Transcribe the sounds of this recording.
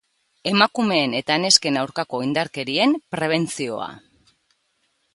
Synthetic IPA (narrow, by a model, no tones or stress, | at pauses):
e̞makume̞ːne̞t̪ane̞ske̞nawɾkako̞ind̪aɾke̞ɾie̞mpɾe̞β̞e̞nt͡sio̞̰a̰